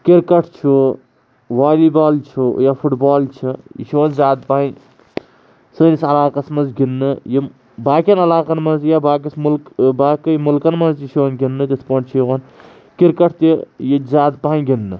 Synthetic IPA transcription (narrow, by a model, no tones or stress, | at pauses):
kiɾkɐʈʰt͡ʃʰu | ʋaːliːbaːlt͡ʃʰujaːfʰuʈbaːlt͡ʃʰijḭʃuʋɐnzaːd̪̚paː | sɨnisɐlaːkɐsmɐnzɡinːɨji | baːkʲɐnɐlaːqɐnmɐnzjaːbaːk̬ɐsmulkbaːkɨjmulkɐnmɐnzjiʃiʋnɡʲinːɨt̪ʲispɐɳt͡ʃʰiɣɐn | kiɾkɐʈʰt̪ijizaːd̪̚paːnɡʲinːɨ